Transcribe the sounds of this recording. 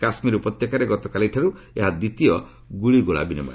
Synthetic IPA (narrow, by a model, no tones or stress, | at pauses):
kasmiɾupɾɔt̪jekaɾeɡɔt̪ɔkaliʈʰaɾu | eɦad̪it̪iɔ | ɡuɭiɡoɭa̰binimɔ̰